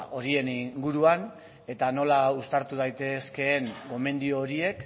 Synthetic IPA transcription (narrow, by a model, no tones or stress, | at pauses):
o̞ɾie̞niŋɡuɾuan | e̞t̪ano̞laust̪aɾt̪uð̞ajt̪e̞ske̞ːŋɡo̞me̞nd̪ioːɾie̞k